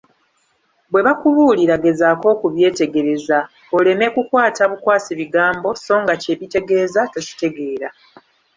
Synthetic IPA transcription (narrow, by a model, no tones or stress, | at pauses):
βwe̞βakuβuːliɾaɡe̞zaːko̞ːkuβje̞ːte̞ɡe̞ɾe̞za | ole̞me̞kukwaːtaβukwaːsiβiɡaːmbo̞so̞ːŋɡace̞βite̞ɡe̞ːzatoci̥te̞ɡe̞ːɾa